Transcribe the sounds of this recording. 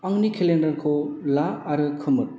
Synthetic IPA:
aŋnikʰelendɐɾkʰolaɐɾɯkʰɯmɯɾ

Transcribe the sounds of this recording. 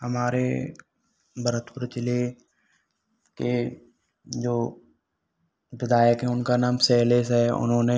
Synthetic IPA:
ɦɐmaːɾḛ | bʱəɾət̪ʰpʊɾt͡ʃɪle | ke | d͡ʒoː | ʋɪd̪aːjəkɦɛ̃ʊnkanaːmsɛːleːsɦɛʊ̰nɦõːne

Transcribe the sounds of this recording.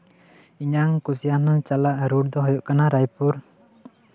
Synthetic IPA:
iɲaŋkusijanɔt͡ʃalaʔɾuɽd̪ɔɦɔjɔʔkanaɾajpuɾ

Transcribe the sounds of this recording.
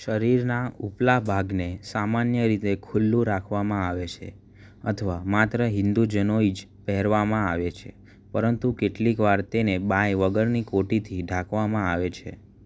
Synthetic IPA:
ʃəɾiɾnauplabʱaɡnesamanjəɾit̪ekʰulːũɾakʰʋamãaʋet͡ʃʰḛ | ə̰t̪ʰəʋamat̪ɾəɦɪnd̪ud͡ʒənoid͡ʒpɛɦɛɾʋamãaʋet͡ʃʰḛ | pəɾənt̪ukeʈlikʋaɾt̪enebãjʋəɡəɾnikoʈit̪ʰiɖʱakʰʋamãaʋet͡ʃʰḛ

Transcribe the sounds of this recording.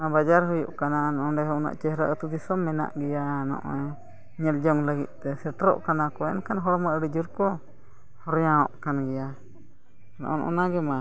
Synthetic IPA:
nabad͡ʒaɾhujṵʔkananʔɔɖɛɦɔuna̰ʔt͡ʃɛhɾaʔət̪ud̪isɔmːɛna̰ʔɡɛjanɔ̰ʔɔ | ɲɛld͡ʒɔŋləɡḭt̪̚ˀt̪ɛsɛʈɾɔ̰ʔkanakɔɛ̰nkanɦɔɽmaʔəɽid͡ʒuɾkɔ | hɔɾjãɔʔkanɡɛja | nɔ̰ʔɔnʔɔ̰naɡɛma

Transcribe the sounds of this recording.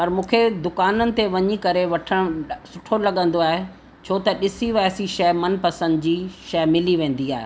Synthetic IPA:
pɐɾmũːkʰed̪ʊkaːnənɪ̆t̪eʋɐɲikɐɾeʋɐʈʰəɽ̃sʊʈʰolɐɠə̃nd̪oaːɦe | t͡ɕʰoːt̪ɐɗɪsiʋɛːɦsiʃɐmɐnpɐsə̃nd̪d͡ʑiːʃɐmɪliʋẽːn̆d̪iaːɦḛ

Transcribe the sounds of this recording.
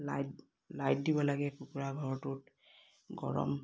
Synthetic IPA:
laj | lajt̚dibɔlaɡɛpukuɹaɡʱɔɹɔtʊt̚ | ɡɔ̰ɹɔ̰m

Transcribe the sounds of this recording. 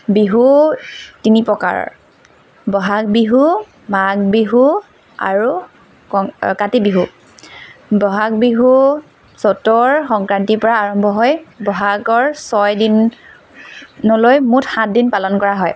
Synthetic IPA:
biɦu | tinipɹɔka̰ɹɔ̰ | bɔɦak̚biɦu | maɡ̚biɦu | a̰ɹu | ɔkatibiɦu | bɔɦak̚biɦu | sɔtɔɹxɔŋkɹantipɔɹaːɹɔmbʱɔɦɔjbɔɦaɡɔɹsɔjdin | ɔlojmutxãt̚dinpalɔnkɔɹaɦɔj

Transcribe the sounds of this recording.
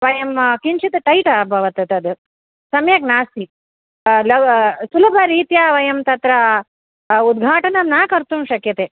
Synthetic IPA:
ʋɐjɐmkint͡ʃit̪ɐʈɐjʈɐbʱɐʋɐt̪ɐt̪ɐd̪ɨ | sɐmjɐknaːst̪i | lɐsulɐbʱɐɾiːt̪jaʋɐjɐmt̪ɐt̪ɾɐ | ud̪̚ɡʱaːʈɐnɐmnaːkɐɾt̪umʃɐkjɐt̪e

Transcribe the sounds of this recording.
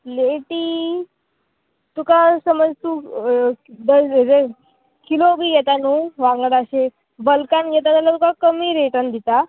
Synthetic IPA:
leʈiː | t̪ukasəməd͡zt̪u | d̪əɾe | kilobʱiːjɛt̪anuːʋãŋɡəɽaɕe | bəlkanɡɛt̪at̪alat̪ukakəmiːɾeʈənd̪it̪a

